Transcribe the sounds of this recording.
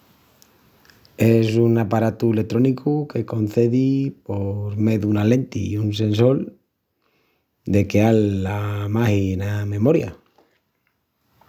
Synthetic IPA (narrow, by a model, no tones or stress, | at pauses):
esunapaɾat̪uele̞t̪ɾo̞nikʰuke̞ko̞n̟θe̞ðipo̞ɾme̞ðunale̞nt̪ḭuns̬e̞nso̞l | d̪e̞kealːamahinamẽ̞mo̞ɾja̰